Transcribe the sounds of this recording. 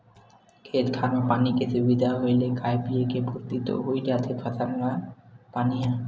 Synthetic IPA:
kʰet̪kʰanopanikesubid̪ʱaɦojlekajpiekebʱoɾt̪it̪o̰ɦojd͡ʒat̪ʰepʰat̪anwapaniɦã

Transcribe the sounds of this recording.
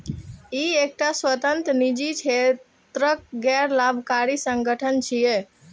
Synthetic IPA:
iek̚ʈaswət̪ənt̪ɾnid͡ʒit͡ʃʰe | t̪ɾək̚ɡɛɾlabʱkaɾisəŋɡəʈʰənt͡ʃʰije

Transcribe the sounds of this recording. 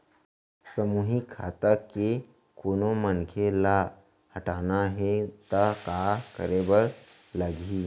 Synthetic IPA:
səmuːɦikʰːaːt̪əke | koːnomənkʰela | həʈaːnaɦet̪akaːkə̰ɾebəɾ | ləɡi

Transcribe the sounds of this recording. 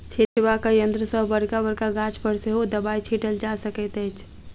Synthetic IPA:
t͡ʃʰeʈbakajənd̪ɾəsəɦbəɽkabəɾkaɡãt͡ʃpəɾseɦod̪əbait͡ʃʰiʈəld͡ʒasəkət̪ət͡ʃʰ

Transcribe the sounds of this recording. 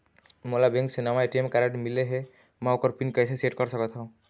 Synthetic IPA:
molabẽŋksenɔmajʈimkaɾeʈmileɦe | maokɔɾpinkəjseseʈkɔɾsɔkɔt̪ʰaʊ̃

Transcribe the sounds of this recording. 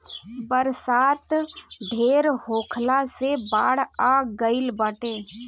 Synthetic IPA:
bəɾsaːt̪ɖʱeːɾɦoːkʰlasebaːɽ̤aɡəɪlbaːʈeː

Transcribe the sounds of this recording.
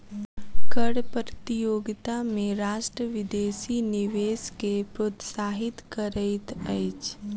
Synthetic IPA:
kəɽpəɾt̪ijoːɡt̪amẽɾaːʃʈɾəʋɪd̪eːsinɪʋeːskepɾoːt̪saːɦɪt̪kəɾəɪt̪əɪt͡ʃ

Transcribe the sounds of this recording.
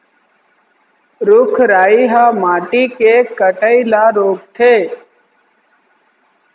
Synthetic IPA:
ɾʊkʰɾaːiɦaːmaːʈikekəʈəilaːɾoːk̚t̪ʰeː

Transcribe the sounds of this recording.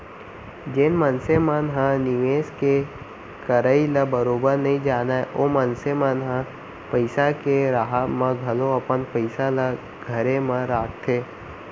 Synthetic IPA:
d͡ʒenmənsemanɦãnɪʋeːske | kəɾəiləbəɾoːbəɾnɐɦĩd͡ʒaːnaeʔomənsemanɦã | pəɪsakeɾaɦamãɡʱɐloɐpənpəɪsala | ɡʱɐɾemãɾaːk̚t̪ʰeː

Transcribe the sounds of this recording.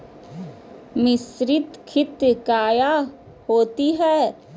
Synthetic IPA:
mɪsɾɪt̪kʰɪt̪kaːja | hoːt̪iɦɛː

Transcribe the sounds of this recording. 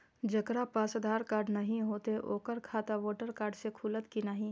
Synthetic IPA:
d͡ʒəkɾapaːsəd̪ʱaːɾkaːɾɖnɐɦĩɦoːt̪eʔoːkəɾkʰaːt̪aʋoːʈəɾkaːɾɖsekʰulət̪kinaɦĩ

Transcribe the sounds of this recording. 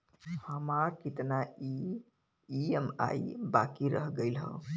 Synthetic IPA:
həmaɾkit̪naiː | ema̰ibakiɾəɦɡəɪlɦə̰

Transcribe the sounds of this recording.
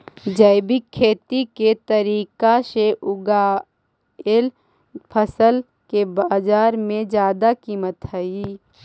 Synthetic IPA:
d͡ʒəɪbikʰːeːt̪iket̪əɾiːkaseʔʊɡa | el | pʰəsəl | kebaːd͡ʒaːɾmẽd͡ʒjaːd̪akiːmət̪ɦəiː

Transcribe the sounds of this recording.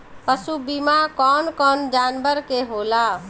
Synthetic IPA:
pəsubimakɔːnkɔːnd͡ʒaːnbəɾkeɦola

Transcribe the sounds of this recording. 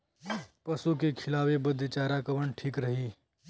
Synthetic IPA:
pɐsukekʰɪlaːʋebɐd̪ʱt͡ʃaːɾakɐʋəɳʈʰiːkɾɐɦiː

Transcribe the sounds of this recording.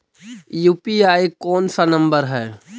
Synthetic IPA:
juːpiaːikɔːnsanɐ̃mbəɾɦɛː

